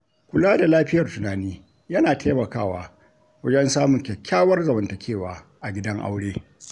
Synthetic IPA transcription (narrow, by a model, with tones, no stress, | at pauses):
kʷʊ˨˦laː˦da˨laː˦ɸɪ˦jɐ˨rtʊ˨naː˨niː˦ | jɐ˦naː˨tʰeː˦mɐ˨kaː˦˨waː˦ | wɐ˦d͡ʒɛ˦nsaː˦mʊ˨ŋkʲɛ˨kʲːaː˦wɐ˦rzɐ˨mɐ˨ntɐ˨kʲʰeː˦˨waː˨ʔa˨ɡʲɪ˦dɐ˦ŋʔa̰˦wɽeː˦